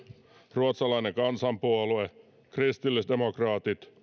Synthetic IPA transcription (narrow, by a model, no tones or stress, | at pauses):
ruot̪sɑlɑineŋkɑnsɑmpuɑlue | krist̪ilːisd̪emokrɑːt̪it̪